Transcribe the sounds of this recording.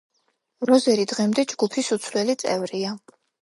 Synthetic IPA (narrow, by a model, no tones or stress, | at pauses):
ɾɔzɛɾid̪ʁɛmd̪ɛd͡ʒɡupʰisut̪sʰlɛlit̪sʼɛ̰vɾia